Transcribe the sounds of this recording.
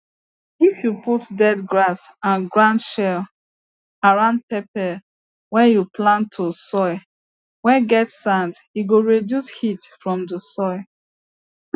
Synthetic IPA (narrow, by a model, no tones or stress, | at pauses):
ifjuputdɛdɡɹasãnɡɹãndʃɛl | aɹãʊ̃nd̚pɛpɛ | wɛjuplãntʰosɔɪ | wɛ̃ɡɛtsãndiɡoɹedjushitfɹɔ̃mdəsɔɪ